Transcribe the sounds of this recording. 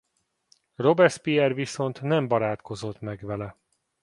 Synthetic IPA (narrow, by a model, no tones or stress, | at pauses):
ro̞bɛrspiɛrviso̞nt̪nɛmbɒɾaːt̪ko̞zo̞t̪mɛɡʋɛlɛ